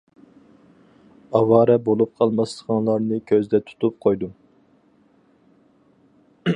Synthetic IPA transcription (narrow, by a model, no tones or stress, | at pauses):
ɑwɑːɾɛbolˠup̚qʰɑlˠmɑst̪ə̥ʁɑnlˠɑɾnɨkʲʰøzd̪ɛt̪ʰu̥t̪ʰup̚qʰojd̪u